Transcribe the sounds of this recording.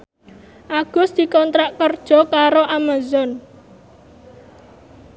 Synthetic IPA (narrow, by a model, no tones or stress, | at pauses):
ʔaɡ̥ʊ̤sd̪̥i̤kɔnt̪ɾaʔkərd̥ʒ̥ɔ̤kaɾoʔamazɔn